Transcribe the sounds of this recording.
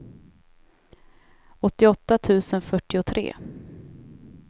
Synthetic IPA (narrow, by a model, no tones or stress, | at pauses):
ɔt̪ːɪɔt̪ːat̪ʰʉ̟ːsənfœʈːɪʊt̪ʰɾʔḛː